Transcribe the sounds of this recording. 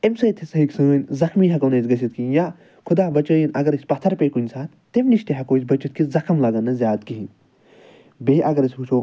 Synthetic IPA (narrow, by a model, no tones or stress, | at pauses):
emsɐjt̪ʰisɐɦiksɨnʲzɐxmiːɦɐkonɐːsʲɡɐt͡ʃʰit̪̚kija | kʰʊd̪aːbɐt͡ʃɐːjinɐɡɐɾisʲpɐt̪ʰːɐɾpeːkunʲsʰaːt̪t̪emniʃt̪eɦɐkoːsʲbɐt͡ʃit̪̚kizɐxʰɐmlɐɡɐnːɐzʲjaːt̪̚kiɦin | beːʔɐɡɐɾisʲut͡ʃʰoː